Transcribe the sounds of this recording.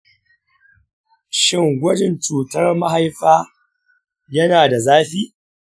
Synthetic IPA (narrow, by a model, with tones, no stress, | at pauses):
ʃɪ˦˨ŋɡʷɐ˦d͡ʒɪ˨nt͡ʃuː˨tɐ˦rma˦ɦa˦jɸaː˦ | jɐ˦naː˨da˨zaː˦ɸiː˦